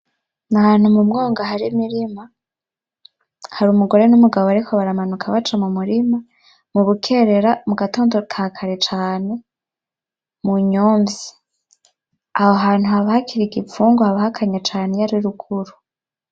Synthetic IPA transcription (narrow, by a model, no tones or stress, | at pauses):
nahan̥humumɡo̞ːŋɡaɦaɾimiɾima | haɾumuɡo̞ɾe̞numuɡaβoaɾikʰoβaɾamanukʰaβat͡ʃamumuɾima | muβukʰe̞ɾeɾamuɡato̞ːndokʰakʰaɾet͡ʃaːne̞ | muɲoːmvi | aho̞ɦaːn̥huhaβahakʰiɾiɡifuːŋɡohaβahakʰaɲat͡ʃaːnejaɾiɾukʰuɾu